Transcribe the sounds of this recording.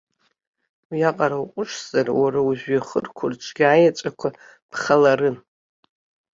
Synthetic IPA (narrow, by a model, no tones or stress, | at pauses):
wjaqʼaɾawqʷʼʊʂʰz̥arwaɾauʒᶣʷaχərkʷʰʊrʈ͡ʂʷʰɡʲaːjat͡ʃʷʼakʷʰa | pχalaɾɨn